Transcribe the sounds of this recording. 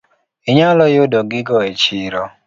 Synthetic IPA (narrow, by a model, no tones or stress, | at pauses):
iɲalɔjʊdɔɡɪɡɔet͡ʃɪɾɔ